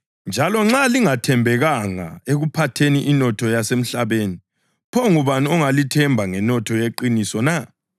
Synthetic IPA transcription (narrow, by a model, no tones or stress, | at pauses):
nd͡ʒʱalɔŋ͡ǁaliŋatʰɛmbʱɛɣaŋa̰eɣupʰatʰeniʔinɔtʰɔjasem̩ɬaβeːni | pʰɔŋuβaniɔŋalitʰɛmbʱaŋɛnɔtʰɔjeǃinisɔna